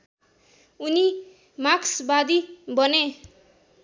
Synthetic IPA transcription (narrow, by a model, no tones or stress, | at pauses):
uni | maksbad̪ibʌne